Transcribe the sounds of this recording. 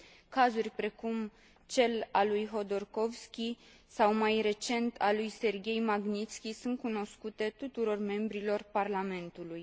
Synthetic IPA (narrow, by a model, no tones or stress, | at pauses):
kazurʲpɾe̞kum | t͡ʃe̞lalujɦo̞d̪o̞rko̞vskʲi | sawmajre̞t͡ʃe̞nt̪ʰalujse̞rɡʲe̞jmaɡnit̪skʲisunt̪̚kuno̞skut̪e̞t̪ut̪uɾo̞rme̞mbɾilo̞rparlame̞nt̪uluj